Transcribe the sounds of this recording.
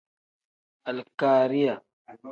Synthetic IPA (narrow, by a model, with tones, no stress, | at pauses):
ʔa˨lkaː˨ɾi˦ja˨